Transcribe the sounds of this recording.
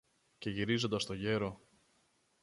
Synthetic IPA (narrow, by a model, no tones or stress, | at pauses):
ce̞ʝiɾizo̞nd̪ɐst̪o̞ʝe̞ɾo̞